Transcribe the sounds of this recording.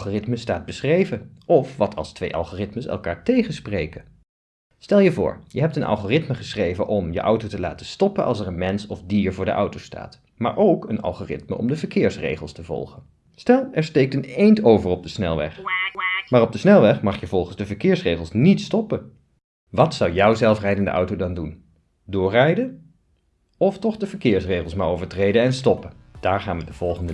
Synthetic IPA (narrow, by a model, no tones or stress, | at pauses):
χorɪtməstaːd̚bəsχrejvəʔɔfʋɑtʰɑ̰lˠstʋejʔɑ̰lˠχoːrɪtməsɛ̰lˠkaːɹtejχənsprejkə | stɛlˠjəvʊ̰ːɹjəɦɛp̚tənʔɑ̰lˠχoːrɪtməχəsχrejvəʔɔmjə̰ʔʌwtowtəla̰ːtəstɔpənʔɑ̰lˠs̬ɛɹənmɛnsɔfdiːɹvʊːɹdə̰ʔʌ̰wtowsta̰ːt | ma̰ːɹʔowkənɑ̰lˠχoːrɪtmə̰ʔɔ̰mdəvəɹkɪːɹsrḛjχəlˠstəvɔ̰lˠχən | stɛlˠɛɹstejk̚tənejntowvəɹɔb̚dəsnɛlˠʋɛ̰χ | maːrɔb̚dəsnɛlˠʋɛχmɑχjəvɔlˠχənzdəvəɹkɪːɹsrejχəlˠsnitstɔpən | ʋɑtsʌwjʌwzɛlˠfrɛjdəndə̰ʔʌ̰wtowdɑndun | dʊːrɛjdən | ɔftɔχdəvəɹkɪːɹsrejχəlˠsmaːɹowvəɹtrejdənɛnstɔpəd̥aːɹχa̰ːnʋədəv̥ɔlˠχəndə